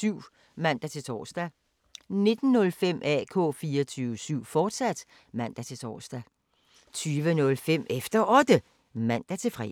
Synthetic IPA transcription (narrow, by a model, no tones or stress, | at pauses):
syʊ̰ | mæn̰d̥æt͡sʰe̝lt͡sʰɒ̰ːsd̥æ | ne̝d̥n̩ːɔ̽lfem̰ʔɛ̰ːkʰɔ̰̽ːfiːɐɒt͡sʰyːʋəsyʊ̰fɒːd̥sæd̥ | mæn̰d̥æt͡sʰe̝t͡sʰɒ̰ːsd̥æ | t͡sʰyːʋənɔ̽lfem̰efd̥ɐʔɒ̽d̥ə | mæn̰d̥æt͡sʰe̝fʁɛ̰